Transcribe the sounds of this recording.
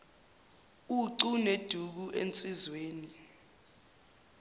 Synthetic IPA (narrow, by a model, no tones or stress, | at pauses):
uǀuned̥ʱuk̬uʔḛnt͡sʼizweːni